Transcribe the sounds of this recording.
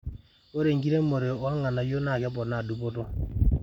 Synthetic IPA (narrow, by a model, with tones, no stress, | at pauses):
o˦ɾe˨ŋɡi˦ɾe˦mo˨ɾe˨o˨˦a˦ŋa˨na˨jo˦na˦˨kɛ˦p̬ɔ˨na˨du˦p̬o˦to˦